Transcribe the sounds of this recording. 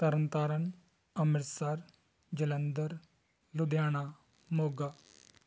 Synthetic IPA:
t̪ɐɾənt̪aːɾən | ɐmɪɾsaːɾ | d͡ʒɐlənd̪əɾ | lud̪jaːɽ̃a | moːɡa

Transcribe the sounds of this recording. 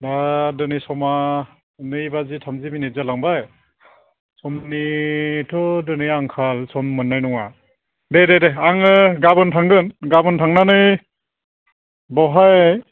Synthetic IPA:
dadɯnisɔma | nɯjbazitʰamziminizalaŋbaj | sɔmnitʰɔdɯnɯjaŋkʰalsɔmːɯnːajnɔŋa | dededeaŋɯɡabɯntʰaŋɡɯnɡabɯntʰaŋnanɯj | bɔɦaj

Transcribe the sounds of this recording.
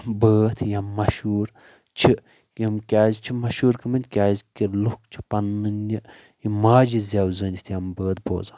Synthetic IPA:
bəːt̪ʰjɐmːɐʃuːɾ | t͡ʃʰi | jɐmkʲaːzt͡ʃʰimɐʃuːɾkɨmɐnʲd̪ʲkʲaːzkilukt͡ʃʰi̥pɐnːɨni | imaːd͡ʒizʲaːwzɨːnʲd̪ʲit̪ʰjɐmbəːt̪̚bo̰ːzaː

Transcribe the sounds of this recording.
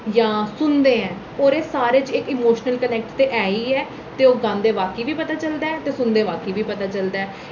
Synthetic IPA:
jãːsʊnd̪eːɛ̃ː | oːɾeːsaːɾeːt͡ʃɪkɪːmoːʃnəlkənɛːk̚ʈt̪eːʔɛːiːɛː | t̪eːoːɡãːnd̪eːʋaːkiːʋiːpət̪aːt͡ʃəld̪aːɛːt̪eːsʊnd̪eːʋaːkiːʋiːpət̪aːt͡ʃəld̪aɛː

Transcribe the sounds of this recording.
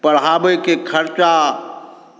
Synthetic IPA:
pɐɾɦaːbekekʰɐɾt͡ʃa

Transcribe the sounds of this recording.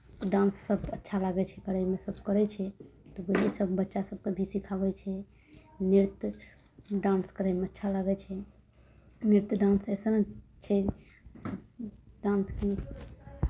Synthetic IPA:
ɖãnsːəbʱətːʃʰalaɡɛt͡ʃʰɛkəɾəmesəb̚ʱkəɾɛt͡ʃʰɛt̪ɔbəɦesəbʱbətːʃasəb̚kebʱisikʰabɛt͡ʃʰɛ | niɾt̪ | ɖãnskəɾəmeətːʃʰalaɡɛt͡ʃʰɛ | niɾt̪əɖãnsɛsənt͡ʃʰɛ | ɖãnski

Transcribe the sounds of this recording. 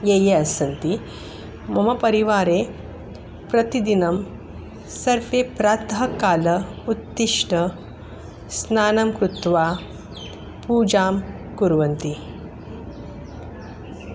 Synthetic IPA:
jeːjeɐsɐnt̪i | mɐmɐpɐɾiʋaːɾeː | pɾɐt̪id̪inɐm | sɐɾfeːpɾaːt̪ɐɦɐkaːlɐut̪ːiʂʈɐ | snaːnɐmkɾut̪ʋaː | puːd͡ʒaːm | kuɾʋɐnt̪i

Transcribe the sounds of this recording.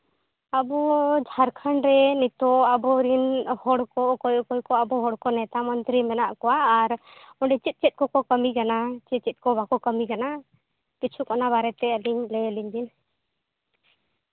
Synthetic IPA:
abɔd͡ʒʱaɾkʰanɾɛnit̪ɔabɔɾinhɔɽkɔkɔjɔkɔjkɔabɔɦɔɽkɔnɛt̪amɔnt̪ɾimɛnaʔkɔwaːɾ | ɔɳɖɛt͡ʃit̪̚t͡ʃit̪̚kɔkɔkəmikanat͡ʃit̪̚t͡ʃit̪̚ˀkɔbakɔkəmikana | kit͡ʃʰukɔnaβaɾɛt̪ɛəliɲlɛliɲd̪in

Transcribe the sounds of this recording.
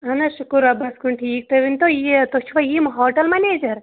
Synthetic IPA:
ɦɐnɐʃukuɾɐbɐskuɳʈʰiːk̚t̪ɐʋint̪ojit̪ot͡ʃʰuʋɐjimɦoːʈɐlmɐneːd͡ʒɐɾ

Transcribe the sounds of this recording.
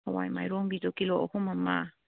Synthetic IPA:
awa̰jma̰jɾoŋɡit̪okiloʔohumama

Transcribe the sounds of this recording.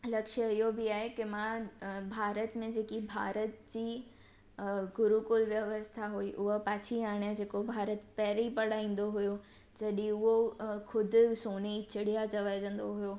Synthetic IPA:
lɐkʃəɪɦobiaːɦekɪmãbʱaːɾət̪mẽd͡ʑeːkibʱaːɾət̪d͡ʑiː | ɡʊɾukʊlʋjɐʋəst̪ʰaɦuiʔʊɦopaːt͡ɕʰiaːɽ̃jad͡ʑeːkobʱaːɾət̪pɛːɾipɐɽaːĩːn̆d̪oɦujo | d͡ʑɐɗĩʊɦokʰʊd̪ʱɪ̆soːnit͡ɕɪɽijat͡ɕɐʋad͡ʑə̃n̆d̪oɦujoː

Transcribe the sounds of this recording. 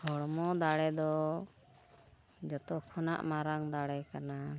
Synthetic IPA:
hɔɽmɔd̪aɽɛd̪ɔ | d͡ʒɔt̪ɔkʰɔna̰ʔmaɾaŋd̪aɽɛkana

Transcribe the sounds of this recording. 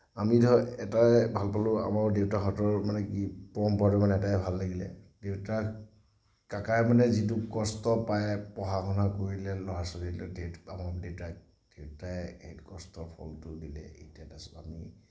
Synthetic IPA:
amidʱɔɛtajbʱalpalʊa̰maɹdewtakɔtɔɹmanɛkipɔɔmpaɾɔmanɛɛtaɛbʱalːaɡilɛ̰dewta | kakaɛmanɛzit̬ʊkɔstɔpajɛpɔɦakʰɔnakoɹilɛlɔɦasɔdilɔdeamadewta | d̥ewtaɛejtkɔstɔpʰɔ̰ltʊdilɛ̰ḛjtadasa̰mi

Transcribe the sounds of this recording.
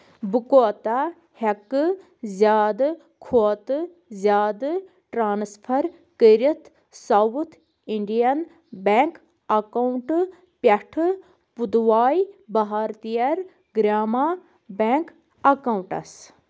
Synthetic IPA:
bukoːt̪a | hɐkɨ | zʲjaːd̪ | kʰoːt̪ɨ | zʲjaːd̪ | ʈɾaːnspʰɐɾ | kəɾit̪ʰ | sawut̪ʰ | iɳɖijɐn | beŋk | ɐkawɳʈ | pjɐʈʰɨ | pud̪ʋaːjbɐɦaːɾt̪ijɐɾ | ɡɾaːmaː | beːŋk | ɐkawɳʈɐ̰s

